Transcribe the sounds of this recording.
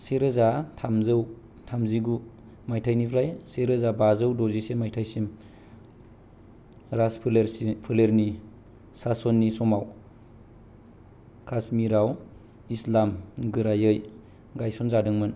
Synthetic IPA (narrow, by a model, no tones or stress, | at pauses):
seɾɯzatʰamzɯw | tʰamziɡu | majtʰajnipʰɾajseɾɯzabazɯwdɔzisemajtʰajsim | ɾaspʰlɾpʰɯleɾni | sasɔnːisɔmaw | kʰasmiɾaw | islamɡɯɾajɯj | ɡajsɔnzadɯŋmɯn